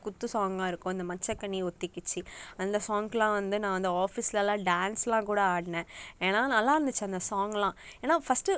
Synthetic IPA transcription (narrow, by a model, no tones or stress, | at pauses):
kʊt̪ːɯsaːŋɡãːɪɾɯkːʊ̃ɐnd̪ɐmɐt͡ʃːɐkːɐɳːiɔt̪ːɪkːɪt͡ʃːiɐnd̪ɐsaːŋɡlãːʋɐnd̪ɯnãːʋɐnd̪ɯaːfislɐlãːɖaːnslãːkuːɽɐaːɽnẽːeːnaːnɐlːãːɪɾɯnd̪ɯt͡ʃːɐnd̪ɐsaːŋɡlãːeːnaːfɐsʈɯ